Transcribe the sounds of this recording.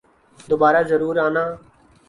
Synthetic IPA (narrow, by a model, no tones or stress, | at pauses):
d̪oːbaːɾaːzəɾuːɾaːnãː